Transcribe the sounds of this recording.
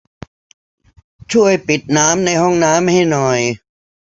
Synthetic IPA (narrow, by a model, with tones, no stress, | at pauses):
t͡ɕʰu˥˩əjpi˨˩t̪̚naː˦˥mna˧jhɔ˥˩ŋnaː˦˥mha˥˩jnɔ˨˩j